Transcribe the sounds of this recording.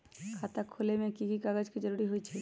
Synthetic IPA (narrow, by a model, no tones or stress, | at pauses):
kʰaːt̪akʰolemẽkiɡikaːɡəd͡ʒkid͡ʒəɾuɾiɦoit͡ʃʰɛ